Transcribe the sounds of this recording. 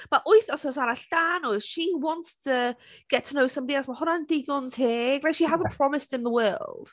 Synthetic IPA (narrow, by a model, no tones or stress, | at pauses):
maʔʊɨθɔθɔs̬aɾaɬd̥aːnɔʃiwɔnttʰəɡ̥ɛtʰənowsə̃mbədiasmahʊnandɪɡʊnzheːɡraʃiɦazə̃npʰr̥ɔmɪstɪ̃nðəwɜːlˠd̥